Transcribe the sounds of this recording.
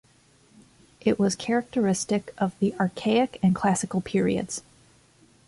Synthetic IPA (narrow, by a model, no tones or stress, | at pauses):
ʔɪʔwʌz̥kʰɛɹɨk̚tə˞ɪstɨkʌvðiʔɑɹkʰeɪɨkɨ̃nkʰl̥æsɨkl̩ˠpʰɪɹḭɨ̰dz̥